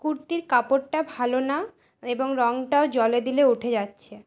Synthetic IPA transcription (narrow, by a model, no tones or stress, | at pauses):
kuɾt̪iɾkapoʈʈabʱalona | eboŋɾɔŋʈaod͡ʑɔled̪ileuʈʰed͡ʑatːɕʰe